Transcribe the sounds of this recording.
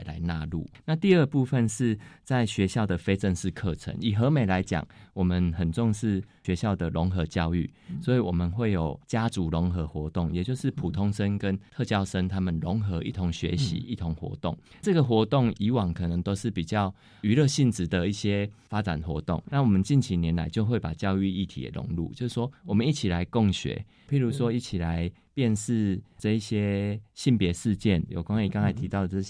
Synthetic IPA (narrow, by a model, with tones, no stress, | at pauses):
la̰˧˦ɪna˥˧lṵ˥˩na˥˧t̪i˥˧ə˥˩pu˥˧fə˥˨nʂɻ̩˥˧t͡sa˥˩ɪɕɥɛ˧˦ɕjɑ˥˩ʊd̪ə˨˩fe˥ɪt͡sə˥˧nʂɻ̩˥˧kʰɤ˥˨t͡sʰə̰˧˦ni˨˩ɦɤ˧˦me˨˩ɪla˧˦ɪt͡ɕja̰˨˩ŋwɔ˨˩mə˨˦nhə˨˩nt͡sɔ˥˧ŋʂɻ̩˥˩ɕɥɛ˧˦ɕjɑ˥˩ʊd̪ə˩lo˧˦ŋxɤ˧˥t͡ɕjɑ˥˧ʊy̰˥˩swɔ˧˥i˨wɔ˨˩mə˨nxwe˥˩ɪjo˨˩ʊt͡ɕja˦t͡su˧˥lo˧˦ŋxɤ˧˦xwɔ˧˥˦t̪ʊ˥˩ŋjɛ˨˩t͡ɕjo˥˧ʊʂɻ̩˥˩pʰu˨˩t̪ʰo˦˥ŋʂə˦nkə˦nt̪ʰɤ˥˧t͡ɕjɑ˥ʊʂə˦ŋt̪ʰa˥mə˨nlo˧˦ŋxɤ˧˥˦ḭ˥˩t̪ʰo˧˦ŋɕɥɛ̰˧˦ɕḭ˧˥i˥˩t̪ʰo˧˦ŋxwɔ̰˧˥t̪o̰˥˩ŋ | t͡sɤ˥˩ɡə˨xwɔ˧˥t̪o˥˩ŋi˧˥wɑ˨˩ŋkʰɤ˨˩nə˨˦ŋt̪o˥ʊʂɻ̩˥˩pi˨˩t͡ɕjɑ˥˩ʊ | y˧˥lɤ˥˧ɕi˥˧nt͡sɻ̩˨˩d̪ə˨i˥˩ɕje˦fa˦˥t͡sa̰˨˩nxwɔ̰˧˥t̪ɔ̰˥˩˨ŋna˥˨wɔ˨˩mə˨˦nt͡ɕi˥˨nt͡ɕʰi˧˥njɛ˨˦nla̰˨˧˦ɪt͡ɕjo˥˧ʊxwe˥˩ɪpa̰˨˩t͡ɕjɑ˥˧ʊy˥˧i˥˩t̪ʰḭ˨ə̰˩lʔo̰˧˦ŋlṵ˥˩t͡ɕjo˥˧ʊʂ̩˥˩ʂwɔ˥wɔ˨˩mə˨˦ni˥˩t͡ɕʰi˨˩la˨˦ɪkɔ˥˩ŋɕɥḛ˨˩˦ | pʰi˨˥ɾu˨˦ʂwɔ˦i˥˩t͡ɕʰi˨˩la˧˦ɪ | pjɛ˥˧nʂɻ̩˥˧t͡sɤ˥˧i˥˩ɕjɛ˥ɕi˥˩npjɛ˨˧˦ʂɻ̩˥˧t͡ɕjɛ˥˩njo̰˨˩kwa˥ŋi˨˩ka˥˦ŋt͡sʰa˨ɪt̪ʰi˧˥t̪ɑ˥˩ʊd̪ə˩t͡s